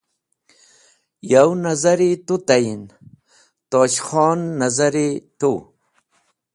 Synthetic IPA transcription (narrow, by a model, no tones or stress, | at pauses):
jawnɐzɐɾit̪ut̪ajin | t̪oːɕxɔːnːɐzɐɾit̪u